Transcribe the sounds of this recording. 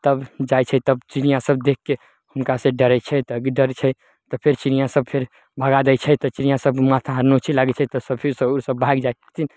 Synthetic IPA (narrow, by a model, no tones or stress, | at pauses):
t̪əbd͡ʒajt͡ʃʰɛt̪əbt͡ʃinijasəb̚d̪ekːe | hunkasẽɖəɾɛt͡ʃʰɛt̪ɔɡeɖəɾt͡ʃʰɛ | t̪ɔpʰeɾt͡ʃinijasəb̚pʰeɾ | bʱəɡad̪ɛjt͡ʃʰɛt̪ɔt͡ʃinijasəbmat̪ʰaɦəɾnot͡ʃʰilaɡɛt͡ʃʰɛt̪ɔsəbpʰesəusəbːʱaɡd͡ʒajt̪ʰin